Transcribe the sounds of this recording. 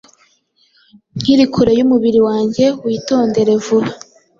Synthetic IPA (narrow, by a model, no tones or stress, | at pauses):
ŋ̥hiɾikʰuɾejumuβiɾiwaːɲɟe̞wiːto̞ːnde̞ɾe̞vuɾa